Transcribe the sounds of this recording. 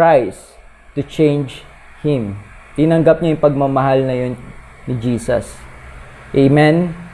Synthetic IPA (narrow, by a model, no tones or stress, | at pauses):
ajs | t̪ʊt͡ʃẽjnd͡ʒ | hɪ̃mt̪ɪnɐŋɡɐp̚ɲojʊŋpɐɡ̚mɐmɐɦalnɐjon | nɪd͡ʒiːsɐ̰s | ʔejmɛ̃n